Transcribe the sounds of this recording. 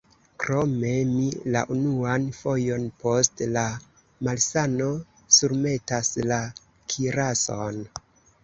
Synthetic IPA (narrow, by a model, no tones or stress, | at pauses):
kɾome̞mila̰ʔunuanfo̞jo̞npo̞stla | malsano̞ | suɾme̞tasla | kʰiɾason